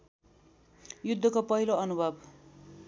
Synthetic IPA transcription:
jud̪ʱːʌkopʌɦiloʌnubʱʌb

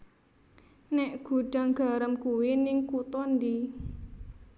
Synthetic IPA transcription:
nɛʔɡ̥ṳɖ̥a̤ŋɡ̥a̤ɾəmkuwɪnɪŋkut̪ɔnd̪i

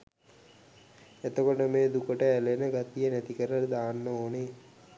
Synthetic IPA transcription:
et̪əkoʈəmeːd̪ukəʈəælenəɡat̪ijənæt̪ikəɾəld̪aːnːəoːne

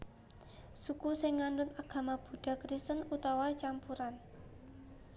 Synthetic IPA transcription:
sukusɪŋːandʊnaɡ̥a̤mab̥ṳɖ̥a̤kɾist̪ənut̪awat͡ʃampuɾan

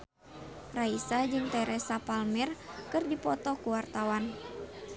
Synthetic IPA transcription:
raisad͡ʒɨŋt̪ɛɾɛsapalmɛrkɨrdipɔt̪ɔkuwart̪awan

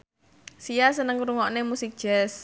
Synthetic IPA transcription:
sijasənəŋɾuŋɔnemusik̚d̥ʒ̥ɛs

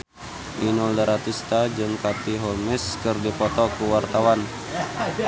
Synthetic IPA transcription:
ʔinɔldəɾat̪ist̪ad͡ʒɨŋkat̪iɦɔlmɛskɨrdipɔt̪ɔkuwart̪awan

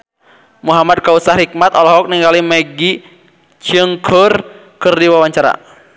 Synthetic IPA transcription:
muɦamad̪̚kausaɾik̚mat̪ɔlɔɦɔk̚niŋɡalimɛɡi | t͡ʃəŋkʰər | kɨrdiwawaɲt͡ʃaɾa̰

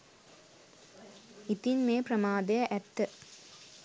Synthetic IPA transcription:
it̪inmeːpɾɐmaːd̪ɐjɐʔɛt̪ːə

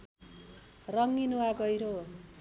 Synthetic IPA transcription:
rʌŋːinuwaɡʌjɾo

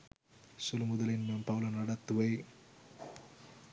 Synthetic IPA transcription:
sulmud̪ɐlinmɐmpɐwlɐnɐɽɐt̪ːuʋɐj

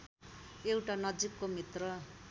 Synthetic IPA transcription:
ewʈanʌd͡zikːomit̪rʌ

